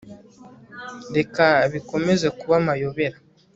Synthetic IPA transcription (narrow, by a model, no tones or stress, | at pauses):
dekaβiko̞mezekuβamajoβeɾa